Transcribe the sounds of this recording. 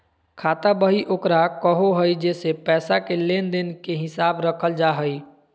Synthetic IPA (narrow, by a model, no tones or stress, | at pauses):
kʰaːt̪abəɦiʔoːkɾakəɦoɦəid͡ʒɛːsepɛːsakeleːnd̪ɪnkeɦɪsaːbɾəkʰəld͡ʒaːɦəi